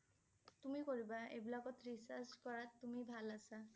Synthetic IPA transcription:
t̪umikoɾibaebilakɔt̪ʰɾisaskɔɾat̪ːumibʱalasa

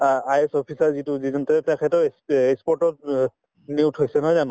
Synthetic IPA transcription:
ajɛsɔpʰisaɹzituzizɔntɛtɛkʰɛtɔesekspɔɹtɔt̚ | niwtʰɦojsɛnɔɦɔjzanʊ̃

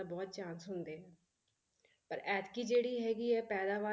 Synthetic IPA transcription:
abɔːt̪̚t͡ʃãːnsɦʊnd̪eːɦɛː | pəɾɛːt̪kiːd͡ʒeːɽiːɦɛːɡiːɛːpɛːd̪aːʋaː

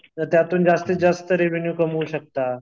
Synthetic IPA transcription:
t̪jat̪uːnd͡zast̪ed͡zast̪əɾeʋenjuːkəmuːɕək̚t̪a

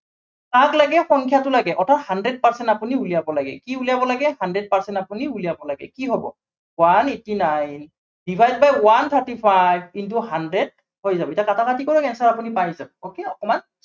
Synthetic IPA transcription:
kaklaɡɛxɔŋkʰjatʊlaɡɛʔɔtʰathandɹɛd̚paɹsɛntapuniulijabɔlaɡɛ̰kiulijabɔlaɡɛhandɹɛd̚paɹsɛntapuniulijabɔlaɡɛ̰kiɦɔbɔ̰ | wanetinajn | dibʱajzbajwant̪ʰaɹtipʰajkint̬uhandɹɛd̚ | hojzabɔitjakatakatikɔɹɔkɛnsaɹapunipajzabɔokeɔkɔman

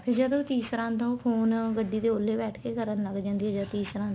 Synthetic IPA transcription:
pʰɪɾd͡ʒəd̪oːt̪iːsɾãːnt̪õːpʰoːnɡəɖiːd̪eːoːlːeːbɛːʈʰkeːkəɾənləɡd͡ʒãːnd̪iɛ̃d͡ʒət̪iːsɾãːn

